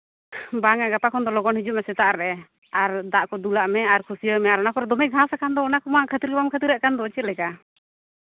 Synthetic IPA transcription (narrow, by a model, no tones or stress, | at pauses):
baŋaɡapakʰɔnd̪ɔlɔɡɔnhid͡ʒuʔ̚mɛsɛt̪aʔɾɛ | aɾd̪aʔkɔd̪ulaʔmɛaɾkʰusijɔmɛaɾɔnakɔɾɛd̪ɔmɛɡʱãsakand̪ɔːnakɔmakʰət̪iɾbamkʰət̪iɾaʔkand̪ɔt͡ʃɛlɛka